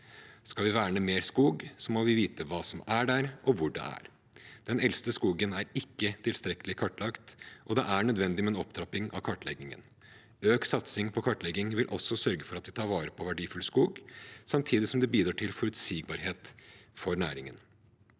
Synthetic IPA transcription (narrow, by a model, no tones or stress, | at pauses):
skɑlʋɪʋæːɳəmeːɾskuːɡsɔmoːʋɪʋiːt̪əʋɑːsɔmæɖæɾʔɔʋʊɖɛ̰æ̰ɾ | d̪̥ɛnɛlst̪əskuːɡənæɾɪkːət̪ʰɪlst̪ɾɛkəlɪkʰɑʈːlɑkt̪ʔɔd̪ɛʔæɳœd̪ʋɛnd̪ɪmɛːnɔpd̪ɾɑpːɪŋɑ̰ʋkʰɑʈlɛɡɪŋə̰n | øːksɑt̪sɪŋpʰɔkʰɑʈːlɛɡːɪŋʋɪlʔɔsɔsœɾɡəfɔɾɑt̪ʋɪt̪ʰɑːɾʋɑːɾəpʰɔʋæɖiːfʉlskuːɡsɑmt̪ʰiːd̪ɪsɔmd̪ɛbiːd̪ɾɑːʈʰɪlfɔɾʉt̪siːɡ̚bɑɾheːt̪fɔɾnæ̰ːɾɪŋə̰n